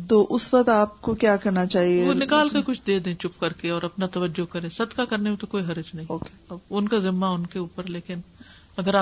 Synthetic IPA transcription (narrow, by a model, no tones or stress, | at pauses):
t̪oːʔʊsʋɐkt̪aːp̚kokjaːkɐɾnat͡ʃaːɦieʋonɪkaːlkekʊt͡ʃʰd̪eːd̪ẽːt͡ʃʊpkɐɾkeɔːɾɐpnat̪ɐʋəd͡ʒːokɐɾẽːsɐd̪kakɐɾnemẽt̪okoːiɦɐɾɪd͡ʒnɐɦĩoːkeɐbʊnkazɪmːaʊnkeuːpəɾleːkɪn | ɐɡəɾaː